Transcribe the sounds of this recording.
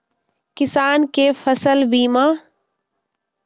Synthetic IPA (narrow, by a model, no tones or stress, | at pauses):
kɪsaːnkeːfəsəlbiːmãː